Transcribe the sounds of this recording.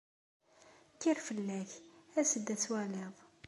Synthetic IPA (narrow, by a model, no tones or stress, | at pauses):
kːiɾfəlːæçæsəd̪ːæt͡swæleðˤ